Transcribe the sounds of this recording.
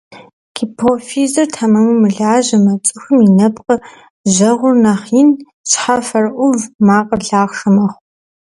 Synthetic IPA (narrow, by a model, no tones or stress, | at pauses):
kʰipʰofiːzɐrtʰamɐmɨmɨɮaːʑɐmɐt͡sʼɨxɨminɐpqʼə | ʑɐʁʷʊrnaχiːn | t͡ʃʼħɐfɐrʔʷʊvmaːqʼərɮaːχʂɨmɐχʷ